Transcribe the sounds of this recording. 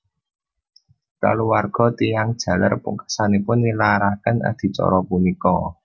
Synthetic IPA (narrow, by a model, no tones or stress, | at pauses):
ka̰luwarɡ̥ɔ̤t̪ijaŋd̥ʒ̥a̤la̰rpṵŋkḁsanipʊnːilaɾakəna̰d̪̥i̤t͡ʃɔ̰ɾɔpunikɔ